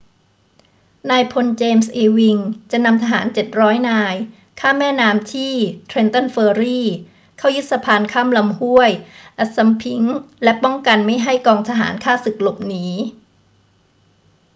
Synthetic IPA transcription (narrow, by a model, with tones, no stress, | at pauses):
naː˧jpʰo˧nt͡ɕeː˧msʔeː˧wi˧ŋt͡ɕa˨˩na˧mt̪ʰa˧ɦa̰ː˩˦nt͡ɕe˨˩t̪̚ɾɔː˦˥jnaː˧j | kʰaː˥˩mːɛː˥˩naː˧mt̪ʰiː˥˩t̪ʰɾe˧nt̪ɔ˥˩nfeː˧ɾiː˥˩ | kʰaː˥˩wju˦˥t̪̚sa˧pʰaː˧nkʰaː˥˩mla˧mhu˥˩əjʔa˨˩t̪̚sa˧mpʰi˦ŋlɛ˦˥pɔ˥˩ŋka˧nma˥˩jɦa˥˩jkɔː˧ŋt̪ʰa˧ɦa̰ː˩˦nkʰaː˥˩sɯ˨˩k̚lo˨˩p̚niː˦˥